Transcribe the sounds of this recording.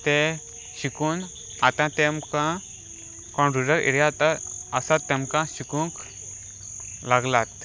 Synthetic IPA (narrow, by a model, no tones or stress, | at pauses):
t̪e | ɕikuːn | at̪ãt̪emkã | kɔ̃ɳɖɾuɖəɾḭɽjat̪əɾəsat̪ːemkãɕikũŋk | laɡlat̪